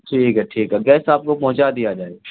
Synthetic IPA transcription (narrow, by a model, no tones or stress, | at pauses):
ʈʰiːkɦɛʈʰiːkɦɛɡɛːsaːp̚kopɐ̃ɦʊ̃t͡ʃad̪ijad͡ʒaːe